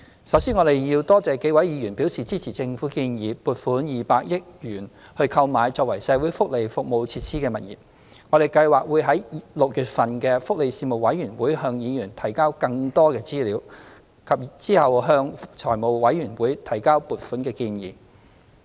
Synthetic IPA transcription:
sɐ˨˥wsiː˥nŋɔː˨˧d̪e˨jji˧wt̪ɔː˥t͡sɛː˨˧ke˨˥jwɐ˨˥jjiː˨˧jyː˨˩npi˨˥wsiː˨˩t͡siː˥t͡sʰiː˨˩t͡sɪ˧ŋfuː˨˥kiː˧njiː˨˧puː˨t̚fuː˨˥njiː˨paː˧k̚jɪ˥k̚jyː˨˩nhɵ˧ɥkʰɐ˧wmaː˨˧jt͡sɔː˧k̚wɐ˨˩jsɛː˨˧wuː˨˥jfʊ˥k̚le˨jfʊ˨k̚mo˨˧wt͡sʰiː˧t̚sʰiː˥kɛː˧mɐ˨t̚jḭː˨˩p̚ | ŋɔː˨˧ɾe˨jkɐ˧jwaː˨k̚wuː˨˧jɦɐ˨˥jlʊ˨k̚jyː˨t̚fɐ˨˩nkɛː˧fʊ˥k̚le˨jsiː˧mo˨wɐ˨˥jyː˨˩nwuː˨˥jɦœː˧ŋjiː˨˧jyː˨˩nt̪ʰɐ˨˩jkaː˥wkɐ˧ŋt̪ɔː˥kɛː˧t͡siː˥liː˨˧˥w | kʰɐ˨p̚t͡siː˥hɐ˨wɦœː˧ŋt͡ʃʰɔː˨˩jmo˨wwɐ˨˥jɥyː˨˩nwuː˨˥jt̪ʰɐ˨˩jkaː˥wpuː˨t̚fuː˨˥nkɛː˧kiː˧njḭː˨˩

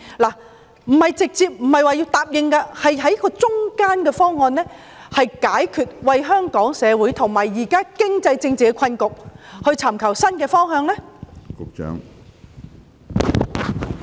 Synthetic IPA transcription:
laː˨˩ | m̩˨˩hɐ˨jt͡sɪ˨k̚t͡siː˧p̚m̩˨˩hɐ˨jwaː˨jiː˧wt̪aː˨p̚jɪ˨ŋkaː˧hɐ˨jɦɐ˨˥jkɔː˧t͡sʊ˥ŋkaː˥nkɛː˧fɔː˥ŋːɔː˨˧nlɛː˥ | hɐ˨jkaː˨˥jkʰyː˨t̚wɐ˨˧jɦœː˥ŋkɔː˨˥ŋsɛː˨˧wuː˨˥jt̪ʰʊ˨˩ŋmaː˨˩jːiː˨˩kaː˥kɪ˥ŋt͡sɐ˧jt͡sɪ˧ŋt͡siː˨kɛ˧kʰɐ˧nkʊ˨k̚hɵ˧ɥt͡sʰa˨˩mkʰɐ˨˩wsɐ˥nkɛː˧fɔː˥ŋɦœː˧ŋlɛː˥kʊ˨k̚t͡ʃœ̰ː˨˥ŋ

